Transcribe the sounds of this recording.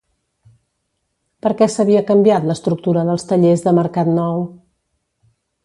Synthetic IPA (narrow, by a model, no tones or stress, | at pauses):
pəɾkɛsəβ̞iəkəmbiat̪ləst̪ɾuk̚t̪uɾəðəlˠst̪əʎezðəməɾkat̪nɔw